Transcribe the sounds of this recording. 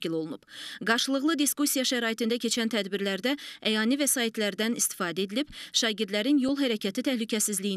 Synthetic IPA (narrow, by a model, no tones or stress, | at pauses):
ilo̞lˠunubɡɑɾʃɯlˠɯʁlˠɯd̪iskusʲijɑʃæɾɑːjit̪ɯnd̪æcʰe̞t͡ʃʰænt̪ʰæd̪biɾlæɾd̪ææjɑːnivæsɑːit̪ʰlæɾd̪ænist̪i̥fɑːd̪æe̞d̪ilib̥ʃɑːɟiɾd̪læɾinjo̞lˠɦæɾæcʰæt̪ʰit̪ʰæhlycʰæsizliji